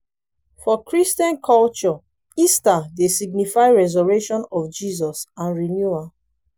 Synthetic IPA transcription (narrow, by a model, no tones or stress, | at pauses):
fɔkɹistiɔ̃nkʰɔlt͡ʃɔ | istadesiɡ̚nifaɪɹɛzɔɹɛʃɔ̃nɔfd͡ʒizɔsãnɹinjua